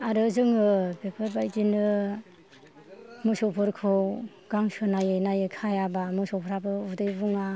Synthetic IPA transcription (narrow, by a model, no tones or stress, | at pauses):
aɾɯzɯŋɯbepʰɯɾbajdinɯ | mɯsɔpʰɯɾkʰɯ | ɡ̥aŋsɯnajɯjnajɯkʰajabamɯsɔpʰɔɾabɯudɯjbuŋa